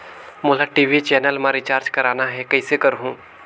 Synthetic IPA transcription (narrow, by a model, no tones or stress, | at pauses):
mʊlaʈiːʋit͡ʃɛːnəlmãɾɪt͡ʃaːɾd͡ʒkɐɾaːnaɦɛkɐɪsekɐɾɦũː